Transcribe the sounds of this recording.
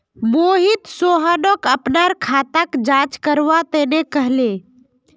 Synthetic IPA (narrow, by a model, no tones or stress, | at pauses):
boːɦit̪soːɦənokəpnaɾkʰaːt̪akd͡ʒãːt͡ʃkəɾʋat̪enekəɦle